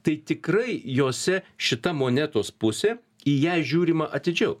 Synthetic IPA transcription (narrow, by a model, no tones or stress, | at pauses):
t̪ɐɪt̪ʲɪkrɐɪjoːsʲɛʃʲɪt̪ɐmoːnʲæt̪oːspʊsʲeː | ɪjæːʒʲuːɾʲimɐʔɐt̪ʲɪd͡ʒʲɛʊ